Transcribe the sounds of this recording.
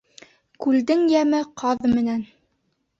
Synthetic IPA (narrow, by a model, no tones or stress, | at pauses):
kʉld̪ɘŋjæmɘqʰɑðmɘ̆næn